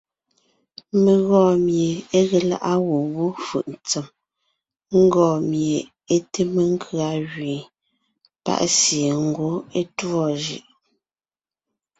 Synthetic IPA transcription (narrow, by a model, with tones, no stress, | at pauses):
me˨ɣɔː˦˨mje˨e˦ɣe˨la̰˦ʔa˦ɣo˨wu˦fɯ̰˨ʔn˨t͡se˨m | ŋ̩˦ɡɔː˨mje˨ | e˦te˦me˨ŋ˦kʰɰa˨˦˨ɣɥi˨ | pa̰˦ʔsje˨ŋ̩˦ɡo˦e˦twɔ˦˨ʒɯ̰˦˨ʔ